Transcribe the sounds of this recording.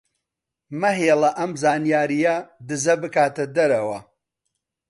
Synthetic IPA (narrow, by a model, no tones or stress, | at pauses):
mɐɦeːlɐʔɐmzaːnijaːɾijɐd̪ɨzɐbɨkaːt̪ɐd̪ɐɾɐwɐ